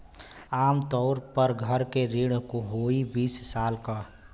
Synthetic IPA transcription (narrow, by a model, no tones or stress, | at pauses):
aːmt̪ɔʊɾpəɾɡʱəɾkeɾiɽ̃koɦoibiːssaːlka